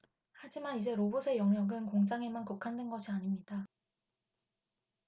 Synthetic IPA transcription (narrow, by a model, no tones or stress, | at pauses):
had͡ʑimanid͡ʑe̞ɾobosʰe̞jʌŋjʌɡɯnkoŋd͡ʑaŋe̞mankukʰandwenɡʌɕʰiaɲimɲida